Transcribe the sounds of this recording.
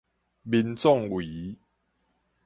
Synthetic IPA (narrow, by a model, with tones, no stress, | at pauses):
bi˧nt͡sɔ˥˨ŋwi˨˦